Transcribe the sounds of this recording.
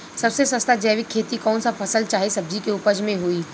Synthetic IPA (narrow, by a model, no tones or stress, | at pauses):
sɐbsesɐst̪ad͡ʒɛːʋɪkʰːeːt̪ikɔːnsapʰɐsəlt͡ʃaːɦesɐb̚d͡ʒikeʊpəd͡ʒmẽɦoːiː